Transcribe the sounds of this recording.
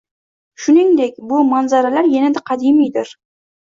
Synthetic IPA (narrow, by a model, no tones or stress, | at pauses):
ʃʊnɪŋd̪ek̚ʲbʊmanzaɾalaɾjanad̪aqʰɑd̪imijd̪ɪɾ